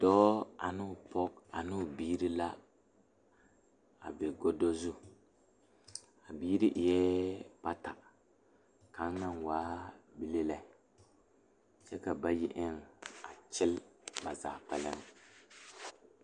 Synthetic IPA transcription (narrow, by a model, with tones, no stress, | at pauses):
d̥ɔː˦a˨nɨ˦˨pɔ˦k̚a˨nɨ˦˨biː˦ɾi˦la˦ | a̰˨bɪ˨ɡo˦do˦zʊ˦ | a˨biː˦ɾi˦ʔjɛ˦pa˦ta˨ | ka˨˦ŋ˦na˦nwaː˦bi˦le˦la˨ | t͡ʃɛ˦ka˨ba˦jɪ˦ʔɪ˦ŋa˨t͡ʃɪ˦lba˨za̰ː˨k͡pɛ˦lɪ˦ŋ